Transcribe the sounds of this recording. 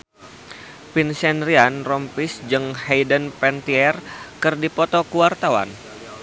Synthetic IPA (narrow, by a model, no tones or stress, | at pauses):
pinsɛnrianrɔmpisd͡ʒɨŋhɛjdənpɛnt̪iɛrkɨrdipɔt̪ɔkuwart̪awa̰n